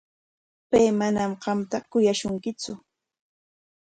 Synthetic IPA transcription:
pajmanamɢɑmt̪akʊjaʃʊŋkɪt͡sʊ

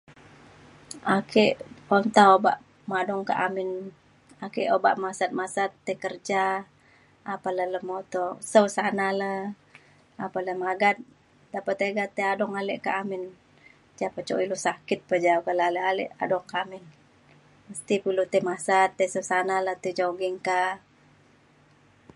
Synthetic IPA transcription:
akeʔɔnt̪aoba̰ʔ | madɔŋka̰ʔamɪn | akɛʔoba̰ʔmasat̪̚masat̪ːəkərd͡ʒaː | palələmot̪ɔsəwsanala | apaləmaɡat̪̚ | dapat̪eɡat̪ːeadɔŋalɛʔka̰ʔamɪn | d͡ʒapət͡ʃo̰ilɔsakɪt̪̚pəd͡ʒauɡalaləalɛ̰ʔa̰dɔŋkaamɪn | məst̪ipulut̪emasat̪ːesəwsanaləht̪ed͡ʒoɡiŋka

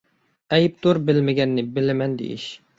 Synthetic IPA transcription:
ɛjp̚d̪oɾbɪlmɪɡʲɛnːɪbɪlɪmɛnd̪ḛjḭʃ

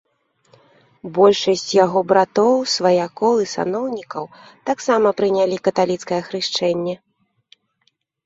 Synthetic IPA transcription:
bɔlʲʂɐsʲt͡sʲjaɣɔbɾat̪ɔwsvɐjakɔlˠisa̰nɔwnʲikɐwt̪aksamɐpɾɨnʲalʲikɐt̪alʲit̪skɐjɐxɾɨʂt͡ʂɛnʲːɛ

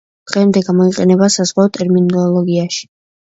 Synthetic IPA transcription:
d̪̥ʁɛmd̪ɛɡamɔiqʼɛnɛbasazʁwat̪ʼɛɾminɔlˠɔɡiaʃi̥

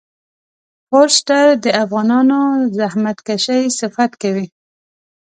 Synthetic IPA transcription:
poɾsʈaɾd̪əafɣɑnɑnozahmat̪kaʃajsɪfat̪kawi

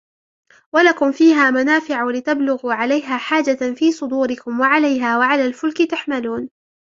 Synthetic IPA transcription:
walakʊmfiːɦaːmanaːfɪʕalɪt̪ablʊɣuːʕalajɦaːħaːd͡ʒafiːsˤʊd̪uːɾɪkʊmwaʕalajɦaːwaʕalaːlfʊlkɪt̪aħmaluːn

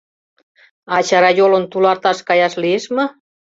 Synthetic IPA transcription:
ɑt͡ɕɑɾɑjolənt̪ulɑrt̪ɑʃkɑjɑʃlieʃmɤ̆

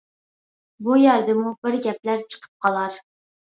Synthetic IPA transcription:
bujæɾd̪ɪmubɪɾɡʲɛp̚læɾt͡ʃʰə̥qʰə̥p̚qʰɑlˠɑɾ

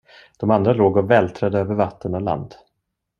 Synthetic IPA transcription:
d̪̥ɔmand̪ɾaloːɡɔvɛːlt̪ʰɾɛd̪əøːvəɾvat̪ʰːənɔla̰nd̪

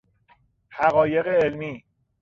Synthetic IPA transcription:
hæɣɒːje̞ɣeːlmiː

